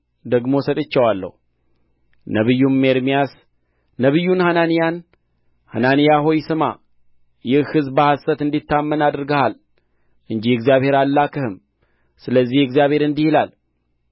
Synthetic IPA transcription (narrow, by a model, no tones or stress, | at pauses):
d̪əɡmo̞sət̪ʼɨt͡ʃːɛwalːə̰hu | nəβɨjːummːeɾmijasː | əβɨjːunhananijan | ha̰nanijaɦojsɨma̰ | jɪhhɨzbəhasət̪ɨnd̪it̪ːamːənad̪ɾɡəhal | ʔɨnd͡ʒihɪɡzijaβhe̞ɾalːakʰəhɨm | sɨləzːihɪɡzjaβhe̞ɾɨnd̪ihilal